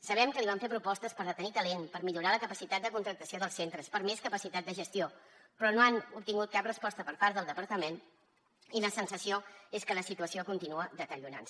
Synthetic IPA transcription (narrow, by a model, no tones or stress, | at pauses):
səβ̞ɛmkəliβamɱfeɾpɾupɔst̪əspəɾðət̪ənit̪əlenpəɾmiʎuɾaləkəpəsit̪at̪̚d̪əkunt̪ɾək̚t̪əsioðəlˠsent̪ɾəspəɾmeskəpəsit̪at̪̚d̪əʒəst̪iopɾɔnoanup̚t̪iŋɡut̪̚kap̚rəspɔst̪əpəɾpaɾðəlˠd̪əpəɾt̪əmen | iləsənsəsioeskələsit̪uəsiokunt̪inuəðət̪əɾiuna̰n